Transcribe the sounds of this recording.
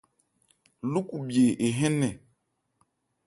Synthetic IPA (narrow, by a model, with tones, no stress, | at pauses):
lu˦ku˨bje˨ʔe˨ɦɛ˦nɛ˨